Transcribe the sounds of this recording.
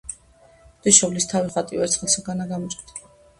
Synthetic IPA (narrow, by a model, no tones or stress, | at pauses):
d̪̥iʃɔvlist̪ʰaviχat̪ʼiɛɾt̪sʰχɛlˠsaɡanaɡamɔt͡ʃʼd̪ʰa